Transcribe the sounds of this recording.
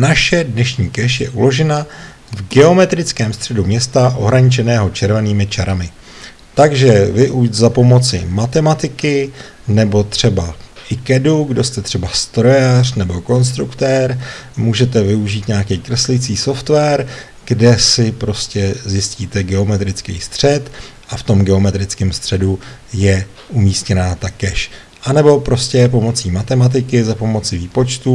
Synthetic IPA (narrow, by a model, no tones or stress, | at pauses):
naʃɛdnɛʃɲiːkɛʃjɛ̰ʔulo̞ʒɛna | vɡɛo̞mɛt̪ɾɪt͡skɛːmst̪r̥ɛdumɲɛst̪aʔo̞̰ɦɾaɲɪt͡ʃɛnɛːɦo̞t͡ʃɛɾvɛniːmɪt͡ʃaɾamɪ | t̪aɡʒɛvɪʔuʃzapo̞mo̞t͡sɪ̰mat̪ɛmat̪ɪkɪ | nɛbo̞t̪r̝̥ɛbaʔɪkɛduɡdo̞st̪ɛt̪r̝̥ɛbast̪ɾo̞jar̥nɛbo̞ko̞ns̬t̪ɾukt̪ɛːɾmuːʒɛt̪ɛvɪuʒiːt̪ɲaːkijkɾr̩slɪjt͡siːso̞ft̪vɛːɾ | ɡ̥dɛsɪpɾo̞scɛzjɪsciːt̪ɛɡɛo̞mɛt̪ɾɪt͡skḭjst̪r̝̥ɛt̪ | ʔaft̪o̞mɡɛo̞mɛt̪ɾɪt͡skɛmst̪r̝̥ɛdujɛ | ʔumiːscɛnaːt̪akɛʃ | ʔanɛbo̞pɾo̞scɛp̬o̞mo̞t͡siːmat̪ɛmat̪̬ɪkɪzapo̞mo̞t͡sɪviːpo̞t͡ʃt̪u